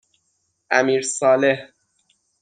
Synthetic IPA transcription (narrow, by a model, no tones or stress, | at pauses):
ʔæmiːɾsɒːleh